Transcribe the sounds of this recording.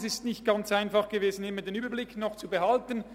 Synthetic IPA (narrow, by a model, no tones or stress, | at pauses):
sɪstnɪçt̚ɡ̥ant͡saɪnfɑχɡ̥əveːzn̩ɪmədeːnyːbɐblɪknɔχt͡subəhaltən